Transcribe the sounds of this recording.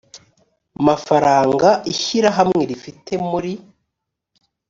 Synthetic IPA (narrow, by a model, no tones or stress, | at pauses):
amafaɾaːŋɡaʔiçiɾaɦamŋe̞ɾifitʰe̞muɾi